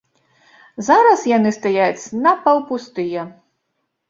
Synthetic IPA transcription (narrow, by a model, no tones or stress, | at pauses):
zaɾɐsjanɨst̪ajat͡sʲnɐpɐwpust̪ɨjɛ